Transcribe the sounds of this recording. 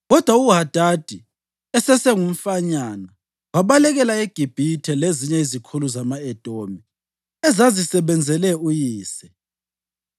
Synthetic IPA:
ɣɔd̥ʱwauɦad̥ʱad̥ʱi | ɛsɛsɛŋum̩faɲana | waβalɛɣɛlaeɡ̥ʱib̥ʱitʰɛleziɲɛizikʰuluzamaɛd̥ʱʼomi | ɛzazisɛβɛnd͡zʱɛlɛujiːsɛ̥

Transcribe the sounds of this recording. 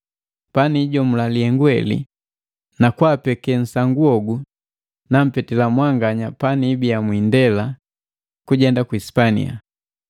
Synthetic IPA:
paniːɟɔmulalihɛŋɡwɛlḭ | nakwapɛkɛn̩saŋɡuɔɡu | nam̩pɛtɛlamwaŋɡaɲapaniːbijamwindɛla | kuɟɛndakwispanḭja̰

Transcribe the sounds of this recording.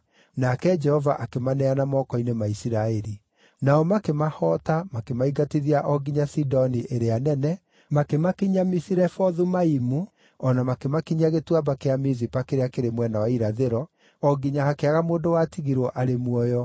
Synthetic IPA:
nakɛd͡ʒɛhɔvaʔakemanɛanamɔkɔinemaisiɾaeɾi | naɔmakemahɔtamakemaiɡatiðiaʔɔɡiɲasidɔniʔeɾeanɛnɛ | makemakiɲamisiɾɛfɔðumaimu | ɔnamakemakiɲaɣetwabakeamizipakeɾeakeɾemwɛnawaiɾaðeɾɔ | ɔɡiɲahakeaɣamoːndowatiɣiɾwɔʔaɾemwɔjɔ

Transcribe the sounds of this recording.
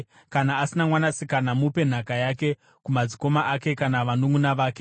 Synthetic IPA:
kanaːsinamwanasikanamupe̞n̤akajake̞ | kumad͡ziko̞maʔake̞kanaʋanoŋunaʋaːke̞

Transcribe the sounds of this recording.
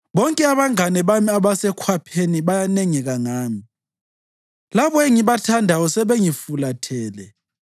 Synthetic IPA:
βɔŋkʼɛaβaŋanɛβamiaβasɛkʰwapʰeniβajanɛŋɛɣaŋaːmi | laβɔeŋiβatʰandʱaɔsɛβeŋifulatʰɛːlɛ

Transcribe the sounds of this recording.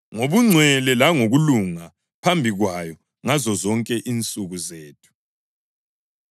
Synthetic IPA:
ŋoβuŋ͡ǀʱwɛlɛlaŋoɣuluŋa | pʰambʱiɣwajɔ | ŋazɔzɔŋkʼɛʔiːnt͡sʼuɣuzeːtʰu̥

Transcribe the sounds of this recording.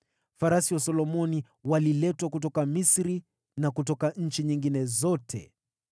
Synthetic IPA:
faɾasiwasɔlɔmɔni | walilɛtwakut̬ɔkamisɾi | nakutɔkaɲ̩t͡ʃiɲiŋɡinɛzɔtʰɛ̰

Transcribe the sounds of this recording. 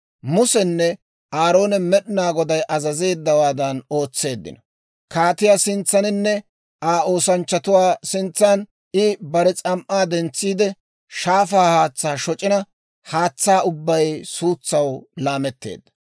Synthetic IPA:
mʊsɛnːɛ | ʔaːɾo̞ːnɛmɛɗnaːɡɔd̪ɐjʔɐzɐze̞ːd̪ːɐwaːd̪ɐno̞ːt͡sːe̞ːd̪ːɪ̰nɐ | kaːt̪ɪjaːsɪnt͡sːɐnɪnːɛ | ʔaːo̞ːsɐnt͡ʃːɐt̪ʊwaːsɪnt͡sːan | ɪbɐɾɛt͡sʼɐmʔaːd̪ɛnt͡sːiːd̪ɛ | ʃaːfaːhaːt͡sːaːʃɔt͡ʃʼɪnɐ | haːt͡sːaːʊbːɐjsuːt͡sːɐwlaːmɛt̪ːḛːd̪ːɐ̥

